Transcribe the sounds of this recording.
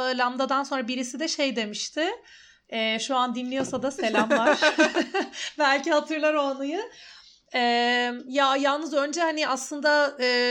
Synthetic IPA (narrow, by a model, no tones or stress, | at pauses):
ɯlʲamd̪ad̪anso̞nɾabiɾisid̪ɛʃe̞jd̪e̞miʃt̪ʰɪ | ɛːʃuand̪inlʲijo̞sad̪ase̞lʲamvaɾ̥ | bælʲcihat̪ʰɯɾlˠaɾo̞ːnujɯ | ɛːmjajalˠnɯzø̞nd͡ʒɛhanɪʔaslˠɯnd̪aɯː